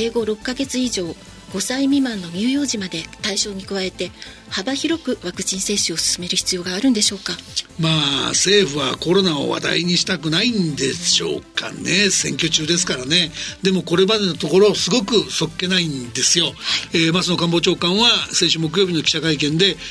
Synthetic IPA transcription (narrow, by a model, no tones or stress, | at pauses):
eːɡo̞ɾo̞kːaɡe̞t͡sɨiʑo̞ː | ɡ̥o̞saimʲimãnːo̞ɲ̟ɨːjo̞ːʑimad̪e̞t̪aiɕo̞ːɲ̟ikɯ̟βae̞t̪e̞ | habaçiɾo̞kɯ̟βakɯ̟̥t͡ɕĩɰ̃se̞ːɕɨo̞sɨ̥sɨme̞ɾɯ̟çi̥t͡sɨjo̞ːɡaːɾɯ̟̃nd̪e̞ɕo̞ːkamaːse̞ːɸɯ̟βako̞ɾo̞nao̞̰βa̰d̪a̰iɲ̟iɕi̥t̪akɯ̟naĩnd̪e̞ɕo̞̰ːka̰nesẽ̞ŋkʲo̞t͡ɕɨːd̪e̞sɨ̥kaɾane̞d̪e̞mo̞ko̞ɾe̞bad̪e̞not̪o̞ko̞ɾo̞sɨɡo̞kɯ̟so̞kːe̞naĩnd̪e̞sɨjo̞eːmasono̞kãmbo̞t͡ɕo̞ːkãɰ̃βasẽɕɨmo̞k̬ɯ̟joːbʲino̞kʲi̥ɕakaik̬ẽ̞nd̪e̞